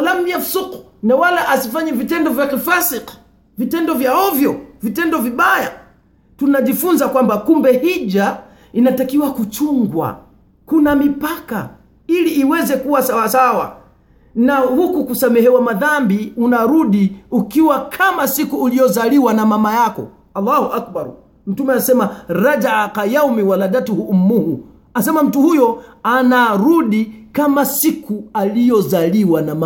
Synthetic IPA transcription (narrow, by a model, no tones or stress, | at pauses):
lam̩iafusuqu̥ | nawalaʔasifaɲɛvitɛndɔvjakifasiq | vitɛndɔvjaɔvjɔvitɛndɔviɓaja | tunaʄifunzakwambakumbɛhid͡ʒa | inatakiwakut͡ʃuŋɡwa̰ | kunamipaka | iliʔːwɛzɛkuwasawasawa̰ | nahukukusamɛhɛwamaðambiunaɾuɗiukiwakʰamasikuːlijɔzaliwanamamajakɔ̰ | alːahuʔak̚baɾ | m̩tumɛasɛmaɾad͡ʒaaqajaumiwalaɗatuhuʔm̩ːuhu | asɛmam̩tuhujɔanaɾuɗikamasikualijɔzaliwanama